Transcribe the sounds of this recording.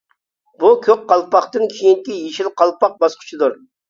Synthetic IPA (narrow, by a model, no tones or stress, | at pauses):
bukʲʰøk̚ʲqʰɑlˠpɑχt̪ɨnkʲʰijiŋkʲijeʃilqʰɑlˠpɑq̚bɑsqʰə̥t͡ʃʰid̪uɾ